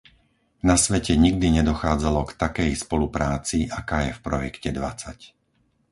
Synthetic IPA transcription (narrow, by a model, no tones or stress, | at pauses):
nasʋɛcɛɲiɡd̪iɲɛd̪ɔxaːd͡zalɔkt̪akɛjspɔlupɾaːt͡siʔakaːjɛfpɾɔjɛkcɛd̪ʋat͡sac